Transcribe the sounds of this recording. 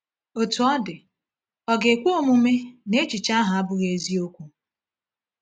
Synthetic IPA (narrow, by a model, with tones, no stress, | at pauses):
o˨tu˨ɔ˦dɪ˨ | ɔ˦ɡe˨kʷu˦o˦mu˦me˦ne˦t͡ʃi˨t͡ʃa˦ɦa˨a˦bʊ˦ɣe˨zi˦o˦kʷu˨